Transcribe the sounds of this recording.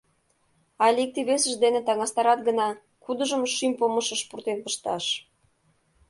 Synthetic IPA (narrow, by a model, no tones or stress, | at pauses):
ɑlʲik̚t̪iβesə̆ʃd̪enet̪ɑŋɑst̪ɑɾɑt̪ɡə̆nɑ | kud̪ə̆ʒə̆mʃymʲpoməʃə̆ʃpurt̪enpə̆ʃt̪ɑʃ